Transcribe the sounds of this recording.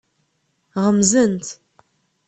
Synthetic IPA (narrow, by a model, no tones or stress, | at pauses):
ʁəmzənt̪